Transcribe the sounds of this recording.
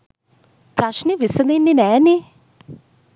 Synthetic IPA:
pɾaʃnivisɛnininɛni

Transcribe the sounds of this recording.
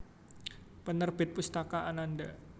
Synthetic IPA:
pənərbɪt̪̚pust̪akaʔananda

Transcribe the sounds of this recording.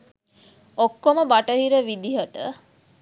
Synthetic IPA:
okːoməbaʈəɦiɾəʋid̪iɦəʈə

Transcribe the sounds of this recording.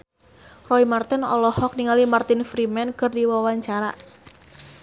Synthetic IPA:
rɔimart̪ɪnɔ̰lɔhɔk̚niŋalimart̪ɪnfɾimɛnkɨrdiwawaɲt͡ʃaɾa̰

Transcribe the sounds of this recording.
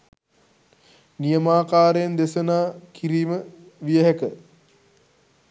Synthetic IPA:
nijəmaːkaːɾəjənd̪esənaːkiɾiːməʋijəɦækə

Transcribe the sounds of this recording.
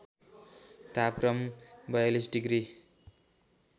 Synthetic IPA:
t̪ap̚krʌmbʌjalisɖiɡɾi

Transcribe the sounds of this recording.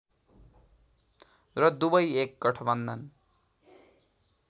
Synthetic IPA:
rʌd̪ubʌjek̚ɡʌʈʰʌbʌnd̪ʌn

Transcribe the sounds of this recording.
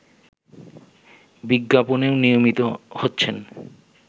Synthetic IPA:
biɡːaponeonijomit̪ohotːɕʰen

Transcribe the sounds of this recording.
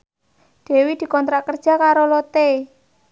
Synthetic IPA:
ɖ̪̥e̤wid̪̥i̤kɔnt̪ɾakərd̥ʒ̥a̤kaɾolot̪e

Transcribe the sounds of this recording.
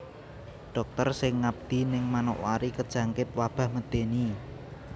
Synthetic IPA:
ɖ̥ɔ̤k̚t̪ərsɪŋːab̚d̪̥i̤nɪŋmano̰ʔwa̰ɾikəd̥ʒ̥a̤ŋkɪt̪̚wab̥a̤hməd̪̥eni

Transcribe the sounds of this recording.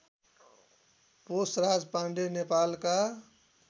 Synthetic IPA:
posɾad͡ʒpãɳɖenepalka

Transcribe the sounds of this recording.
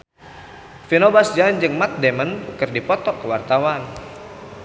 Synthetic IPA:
finobasd͡ʒand͡ʒɨŋmat̪̚dɛmənkɨrdipɔt̪ɔkəwart̪awan

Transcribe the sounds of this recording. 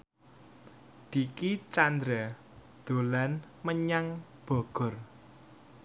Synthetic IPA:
d̪̥ikit͡ʃand̪ɾa | d̪̥o̤lan | məɲaŋ | b̥ɔ̤ɡ̥ɔ̤r

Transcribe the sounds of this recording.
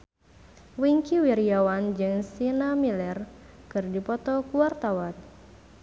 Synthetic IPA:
wiŋkiwiɾiawand͡ʒɨŋsinamilɛr | kɨrdipɔt̪ɔkuwart̪awan

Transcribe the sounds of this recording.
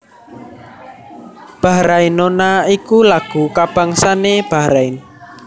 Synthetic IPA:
b̥a̤ɾainonaikulaɡ̥ṳkab̥a̤ŋsaneb̥a̤ɾain

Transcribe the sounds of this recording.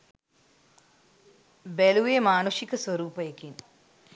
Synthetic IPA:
beluʋemaːnuʂikɐswɐɾuːpɐjekin

